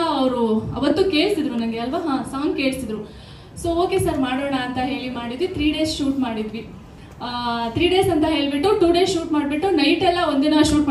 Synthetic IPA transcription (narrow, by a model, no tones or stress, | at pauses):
ɐʋɾuɐ̰ʋɐt̪ːuke̞ːɭsid̪ɾunɐŋɡeɐlʋaɦãːsaːŋɡke̞ːɭsid̪ɾu | soːoːke̞sɐɾmaːɽoːɳaːnt̪ɐɦe̞ːɭimaːɽid̪ʋit̪ʰɾiːɖe̞ːsʃuːʈmaːɽid̪ʋi | t̪ʰɾiːɖe̞ːsɐnt̪ɐɦe̞ːɭibiʈːuʈuːɖe̞ːsʃuːʈmaːɖbiʈːunɐjʈɛlːɐond̪inɐʃuːʈm